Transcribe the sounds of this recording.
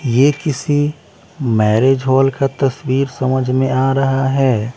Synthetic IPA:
jekɪsi | mɛːɾeːd͡ʒɦɔːlkat̪ɐswiːɾsɐməd͡ʒʱmẽaːɾɐɦaɦɛː

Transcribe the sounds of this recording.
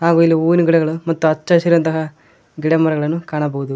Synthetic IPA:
ɦaːɡuːilːiuːniɡiɽɛɡɐɭumɐt̪ːuɐt͡ʃːɐʃiɾɐnt̪ɐɦɐ | ɡiɽɐmɐɾɐɡɐɭɐnːukaːɳɐbɐɦud̪u

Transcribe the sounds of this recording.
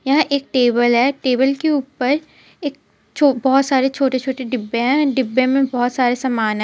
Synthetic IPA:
jɐɦãʔeːk̚ʈeːbəlɦɛːʈeːbəlkeuːpəɾ | eːk̚ | t͡ʃʰoːbɔɦɔt̪saːɾet͡ʃʰoːʈet͡ʃʰoːʈeɖɪbːẽɦɛ̃ɖɪbːẽmẽbɔːɔt̪saːɾesɐmaːnɦɛ̃

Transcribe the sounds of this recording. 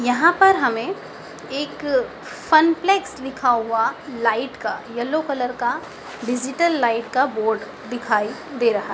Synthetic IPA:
jɐɦãpɐɾɦɐmẽ | eːk | fɐnpleːksd̪ɪkʰaɦʊalaːɪʈkajɐlːokɐləɾka | ɖɪd͡ʒɪʈəlːaːɪʈkaboːɾɖ | d̪ɪkʰaːid̪eːɾɐɦaɦ

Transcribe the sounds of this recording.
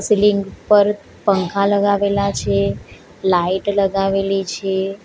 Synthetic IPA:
siliŋɡpəɾ | pəŋkʰaləɡaʋelat͡ʃʰe | laiʈləɡaʋelit͡ʃʰe

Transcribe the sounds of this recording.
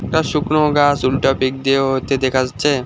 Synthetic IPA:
ʈaʃuknoɡasulʈopik̚d̪eoɦot̪ed̪ekʰad͡ʑat͡ɕʰe

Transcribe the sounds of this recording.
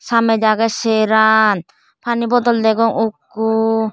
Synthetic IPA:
samɛd͡ʒaɡɛsɛɾan | pʰanibɔd̪ɔld̪ɛɡɔŋukː | u

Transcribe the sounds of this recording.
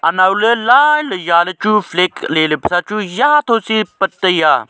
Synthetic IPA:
ɐnaːwlelaːjləjaːlət͡ʃuflekleːlepʰəsat͡ʃujat̪ʰoːsipət̪ːəjaː

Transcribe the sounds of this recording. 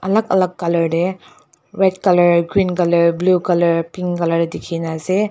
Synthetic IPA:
ɐlɐkɐlɐkːɐlɐɾde | wed̚kɐlɐɾɡɾinkɐlɐɾblukɐlɐɾpiŋkɐlɐɾedikʰinase

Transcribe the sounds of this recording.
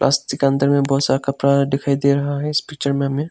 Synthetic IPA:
plʔa̰ːst̪ɪkɐ̃nd̪əɾmẽbɔːt̪saːɾkapɾaːɾd̪ɪkʰaːid̪eːɾɐɦaɦɛɪspiːkt͡ʃəɾmẽɐmẽ

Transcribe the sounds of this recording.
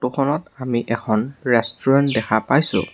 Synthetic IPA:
tukʰɔnɔtamiʔɛkʰɔnɹɛstɔɹɛntdɛxʰapajsʊ̰̃

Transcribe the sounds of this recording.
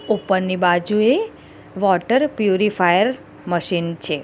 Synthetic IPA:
upːəɾnibad͡ʒue | ʋɔʈəɾpjuɾifʰajəɾ | məʃint͡ʃʰe

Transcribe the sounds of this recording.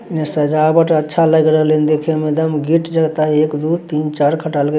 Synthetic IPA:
nesəd͡ʒabəʈətːʃʰaləɡɾəɦlend̪ekʰemed̪əmɡiʈd͡ʒəɡt̪aekd̪ut̪int͡ʃaɾkʰəʈalke

